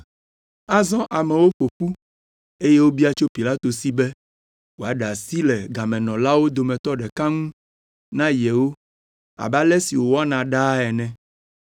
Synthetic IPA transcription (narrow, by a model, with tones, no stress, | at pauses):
a˦zɔ̃˦ʔa˨mɛ̃˨wo˦ɸo˨ɸu˦ | e˦jɛ˦wo˦bi˦a˦t͡ʃo˦pi˨la˦t̪o˨si˦bɛ˦ | wo˨a˨ɖa˨si˦lɛ˨ɡa˨mɛ̃˨nɔ̃˨la˦wo˦d̪o˨mɛ̃˨t̪ɔ˦ɖɛ˨ka˦ŋũ˦ | nã˦jɛ˨wo˦ | a̰˨ba˦lɛ˦si˨wo˨wo˦a˦nã˨ɖa˦ɛ˨nɛ̃˨